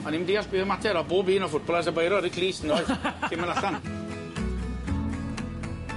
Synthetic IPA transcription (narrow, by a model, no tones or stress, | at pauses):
maniɪmndiːaɬb̥ɪːɔmatʰɛɾɔboːbiːnɔfʊt̚b̥ɔlˠas̬əbejɾɔɾikʰliːsənɔːɨðɪmənlasan